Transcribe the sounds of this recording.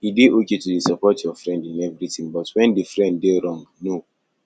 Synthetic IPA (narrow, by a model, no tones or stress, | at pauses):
ideʔoketudisapɔtjɔfɾɛ̃ndĩnɛvɾitĩŋbɔtwɛ̃ndifɾɛ̃nddeɾɔ̃ŋɡno